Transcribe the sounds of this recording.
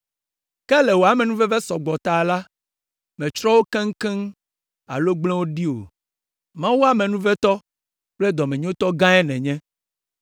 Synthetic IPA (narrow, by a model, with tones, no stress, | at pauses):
kɛ˦lɛ˨wo˨a˨mɛ̃˨nũ˦vɛ˦vɛ˦sɔ˨ɡ͡bɔ˨t̪a˨la˦ | mɛ̃˨t͡ʃɾɔ˦wo˦kɛ̃˦ŋ̩˦kɛ̃˦ŋ | a̰˨lo˦ɡ͡blɛ̃˦wo˦ɖi˦o̰˨ | mã˦wo˦a˦mɛ̃˨nũ˦vɛ˦t̪ɔ˦ | k͡plɛ˦d̪ɔ˨mɛ̃˨ɲ˦õ˦t̪ɔ˦ɡã˦ɛ˦nɛ̃˨ɲɛ̃˦